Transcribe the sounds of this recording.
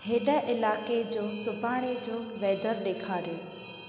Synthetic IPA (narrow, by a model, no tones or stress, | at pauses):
hɪnəʔɪlaːked͡ʑoːsʊbʱaːɽ̃ed͡ʑoːʋɛːd̪əɾɗeːkʰaːɾjoː